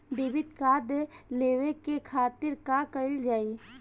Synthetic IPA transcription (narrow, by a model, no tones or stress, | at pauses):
d̪eːʋɪt̪kaːd̪leːʋekekʰaːt̪ɪɾkakəɪld͡ʒaːiː